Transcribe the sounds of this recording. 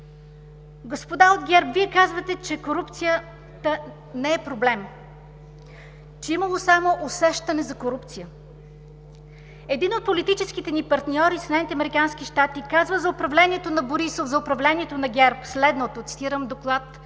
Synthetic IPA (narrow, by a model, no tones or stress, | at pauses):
ɡospod̪aod̪ɡʲɛɾpviɛkazvət̪ɛt͡ʃɛkoɾupt̪sijə | t̪ə | nɛɛpɾoblɛm | t͡ʃɛiməlˠosamoʔosɛʃt̪ɐnɛzɐkoɾupt̪sijə | ɛd̪inot̪̚polit̪it͡ʃɛskit̪ɛnipɐɾt̪nʲɔɾisɛd̪ɛnit̪ɛɐmɛɾikansk̟iʃt̪at̪ikazvəzɐopɾɐvlɛniɛt̪onɐboɾisofzɐʊpɾɐvlɛnʲiɛt̪onɐɡʲɛɾpslɛd̪not̪ot̪si̥t̪iɾəmd̪oklˠat̪